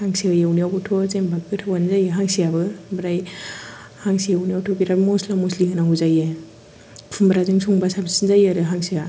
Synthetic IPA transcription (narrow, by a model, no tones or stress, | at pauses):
haŋsiajewniawbɯtʰozembak̚kɯtʰawanzajeɦaŋsijabɯbɾaj | haŋsijawnijawtʰokiɾabmoslamosliɯnaɡuzajɯ | pʰumbɾazɯŋsʰuŋbasabsinzajaɾɯɦaŋsia